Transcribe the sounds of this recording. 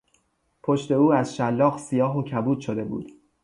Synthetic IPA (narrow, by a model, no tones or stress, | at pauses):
pʰo̞ʃt̪e̞uːæzʃælːɒːɣsijɒːɦocʰæbuːd̪ʃod̪e̞bṵːd̪̥